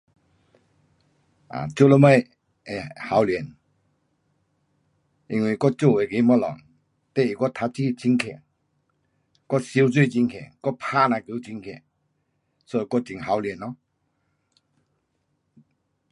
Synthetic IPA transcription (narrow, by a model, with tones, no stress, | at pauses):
a̰˨t͡ɕjo˥˧˨lɔ˧˥ma˥˧j | e˨˩ha˨˦wljɛ˨˧˨n | i˧ŋwi˧˩kɔ˥˧t͡ɕo˥˩˨we˨˩ke˨˧˦mɔ˧˥lɔ̰˨˩ŋ | t̪ɛ˥˨i˨˩kɔ˥˧t̪ʰa˧˥p̚t͡ɕi˥t͡ɕi˧˥ŋkʰɛ̰˨ | kɔ˥si˧˦wt͡swe˥˨t͡ɕi˧ŋkʰɛ̰˨˩kɔ˥˧pʰa˥na˧ki˧˦t͡ɕi˧˥ŋkʰɛ̰˨˩ | sɔ˧˦i˧kɔ˥˨t͡ɕi˨˩ŋɦa˨˦wlɛ˨˦nɔ˧˦